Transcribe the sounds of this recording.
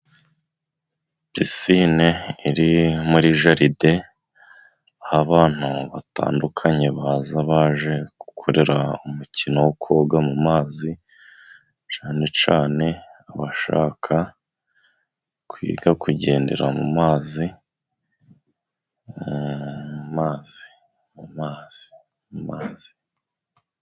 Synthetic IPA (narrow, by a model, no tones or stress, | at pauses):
bisineiɾimuɾiʒaɾide̞ | ahaβaːn̥uβata̰ːndukʰaɲe̞βazaβaːʒe̞ɡ̥u̥kʰo̞ɾe̞ɾaumucʰinowokʰo̞ːɡamumaːzi | t͡ʃaːne̞t͡ʃaːne̞aβaʃaːkʰa | kwḭːɡakuɟe̞ːnde̞̰ɾamṵmaːzi | umaːzi | mumaːz̥i̥ | mumaːz̥i̥